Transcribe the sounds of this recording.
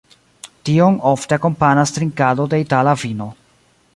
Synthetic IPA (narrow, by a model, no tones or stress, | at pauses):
tio̞no̞fteako̞mpanast̪ɾiŋkado̞de̞italavino̞